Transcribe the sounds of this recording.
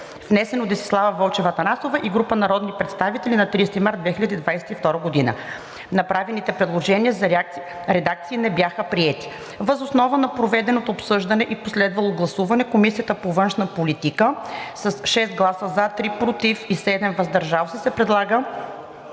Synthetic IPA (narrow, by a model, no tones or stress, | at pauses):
vnɛsɛnod̪ɛsi̥slˠavəvolˠt͡ʃɛvət̪ɐnasovɐʔiɡɾupənɐɾɔd̪nipɾɛt̪st̪avit̪ɛlinɐt̪ɾist̪imaɾt̪d̪vɛxilʲəd̪iːd̪vajsɛ̥t̪ift̪ɔɾəɡod̪inə̰ | nɐpɾavɛnit̪ɛpɾɛd̪lˠoʒɛniəzɐ | ɾɛd̪ak̚t̪siːnɛbjaxəpɾiɛt̪i̥ | vəzosnɔvənɐpɾovɛd̪ɛnot̪oːpsɤʒd̪ɐnɛʔiposlɛd̪vɐlˠoɡlˠɐsuvɐnɛkomisijət̪əpovɤnʃnɐpolit̪ikəsɐsʃɛst̪̚ɡlˠasəzat̪ɾipɾot̪ifisɛd̪ɛmvɐzd̪ɐɾʒalˠsɛsɛpɾɛd̪lˠaɡə